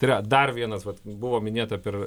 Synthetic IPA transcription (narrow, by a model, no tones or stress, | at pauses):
t̪ɪɾʲɐd̪ɐrʋʲiɛnɐsʋɐt̪bʊʋoːmʲɪnʲeːt̪ɐpʲɛr